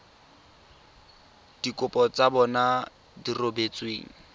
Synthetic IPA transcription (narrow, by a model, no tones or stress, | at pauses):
d̥ikʼʊpʼɔt͡sabɔna | dirobet͡sʼweːŋ̩